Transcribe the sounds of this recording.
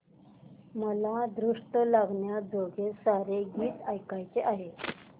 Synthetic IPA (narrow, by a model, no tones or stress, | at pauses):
məlad̪ɾuʂʈəlaɡɳjad͡zoɡʱesaɾeɡiːt̪ajkajt͡seʔaɦe